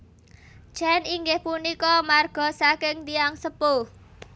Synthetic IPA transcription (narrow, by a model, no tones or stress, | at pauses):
t͡ʃɛniŋɡɪhpunikɔmarɡ̥ɔ̤sakɪŋt̪iaŋsəpo